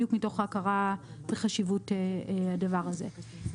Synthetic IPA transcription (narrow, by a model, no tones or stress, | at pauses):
jukmito̞χaakaʁaveχaʃivuteadavaʁaze̞̰